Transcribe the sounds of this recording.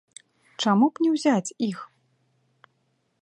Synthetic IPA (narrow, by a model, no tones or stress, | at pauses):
t͡ʂamupnʲɛwzʲat͡sʲix